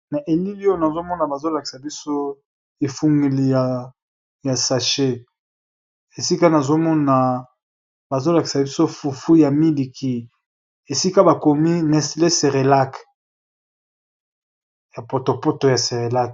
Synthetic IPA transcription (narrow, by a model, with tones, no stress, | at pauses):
na˨ʔe˨li˦li˦o˦na˨zo˦mɔ˦na˨ba˨zo˦la˨ki̥˨sa˨bi˦so˦ | e˨fu˦ŋɡi˨li˨ja˨ | ja˨sa˨ʃe˦ | e˨si˦ka˦na˨zo˦mɔ˦na˨ | ba˨zo˦la˨ki̥˨sa˨bi˦so˦fu˨fu˦ja˨mi˦li˨ki˦ | e˨si˦ka˦ba˨ko˨mi˦nɛ˨sle˦se˨ʁe˨la˦k | ja˨po˨to˨po˦to˨ja˨se˨ʁe˨la˦k